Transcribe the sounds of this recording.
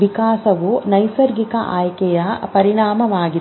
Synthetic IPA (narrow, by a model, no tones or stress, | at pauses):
ikaːsɐʋunɐjsɐɾɡikɐʔaːjkɛjɐpɐɾiɳaːmɐʋaːɡi